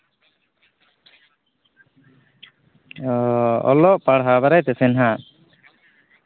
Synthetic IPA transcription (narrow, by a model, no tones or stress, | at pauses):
ɔ̰lɔʔpaɽɦabaɾajt̪ɛsɛnɦa